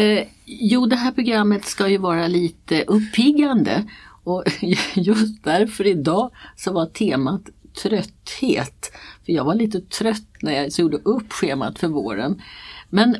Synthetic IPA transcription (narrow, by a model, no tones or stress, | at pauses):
juːd̪ɛɦæːɾpʰɾʊɡɾamːət̪skajɵvɑːɾaliːt̪əʔɵpʰːɪɡːand̪ə̰ɔjɵst̪̚d̪æɾfœɾɪd̪ɑːsɔvaʈ̪ʰeːmat̪ʰːɾœt̪ːheːt̪fœɾjɑːɡvaɭiːt̪ət̪ʰɾœt̪ːnæɾjasjuːɖəʔɵpːɧeːma̰t̪fœɾvo̰ːɾə̰nmɛn